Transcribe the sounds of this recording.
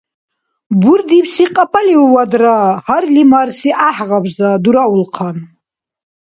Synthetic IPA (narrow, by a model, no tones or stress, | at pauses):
buɾd̪ipsiqʼapʰʼaliuwad̪ɾahaɾlimaɾsiʔaħʁabzad̪uɾaulqʰan